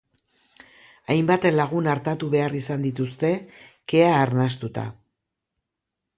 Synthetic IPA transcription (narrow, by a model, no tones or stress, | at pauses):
ajmbat̪e̞nlaɣ̞unaɾt̪at̪uβe̞arisand̪it̪ust̪e̞ke̞aːɾnast̪ut̪a̰